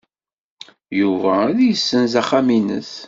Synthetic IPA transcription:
juvææðjəsːənzæχæminə̰θ

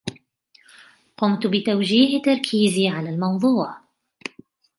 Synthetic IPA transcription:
qʊmt̪bɪt̪awd͡ʒiːht̪ːɑɾˤkʰiːziʕalalmɑwðˤuːʕ

